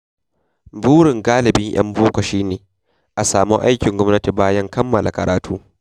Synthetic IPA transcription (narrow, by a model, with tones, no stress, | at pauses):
buː˦ɽɪ˨ŋɡaː˦lɪ˨bɪ˦ŋj̰ɐ̰˦mboː˦kʷɐ˨ʃiː˦neː˨ | ʔa˨saː˨mu˦ʔa˦jkʲɪ˨ŋɡʷɔ˦mnɐ˦ti˨baː˦jɐ˦ŋkɐ˦mːɐ˨lʔa˨kɐ̰˨ɾʔaː˨tuː˦